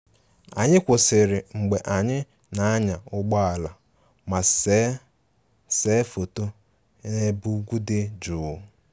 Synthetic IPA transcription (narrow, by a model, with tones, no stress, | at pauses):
a̰˨ɲɪ˦kʷʊ˨sɪ˨ɾɪ˨ŋ͡m̩˨ɡ͡be˨ʔa˨ɲɪ˦ | na˨a˦ɲa˨ʊ˦ɡ͡bɔ˦a˨la˨ | ma˨˦ | se˨˦fo˨to˦ | ne˦bu˦ɡʷu˦dɪ˦d͡ʒʊː˨˦